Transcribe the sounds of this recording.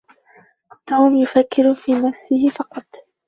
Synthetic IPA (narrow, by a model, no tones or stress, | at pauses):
t̪uːmjʊfakːɪɾʊfiːnasːɪhɪfɑqɑt̪ˤ